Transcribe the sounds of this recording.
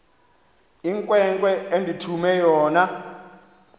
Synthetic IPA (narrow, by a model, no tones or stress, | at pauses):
iŋkʼwɛŋkʼwɛendʱitʰumɛjɔːna